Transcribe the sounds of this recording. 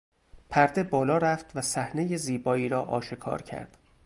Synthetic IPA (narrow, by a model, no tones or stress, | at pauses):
pʰæɾd̪e̞bɒːlɒːɾæft̪ʰvæsæhne̞jeziːbɒːiːɾɒːʔɒ̰ːʃekʰɒ̰ːɾcʰæ̰ɾd̪̥